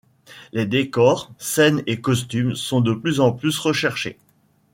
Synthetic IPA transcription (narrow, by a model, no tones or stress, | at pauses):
led̪ekɔʁsɛnekɔs̬t̪ymsɔ̃d̪əplyzɑ̃plysʁəʃɛʁʃḛ